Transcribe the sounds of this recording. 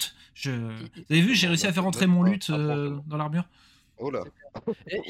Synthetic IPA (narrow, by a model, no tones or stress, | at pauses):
t̪ | ʒəvuzavevyʒeʁeysiafɛʁɑ̃t̪χemɔ̃lyt̪ød̪ɑ̃laʁmyʁ | ola̰